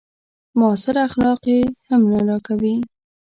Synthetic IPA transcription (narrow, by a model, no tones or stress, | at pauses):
mɑsɪɾaxlɑqehamnaɾɑkawi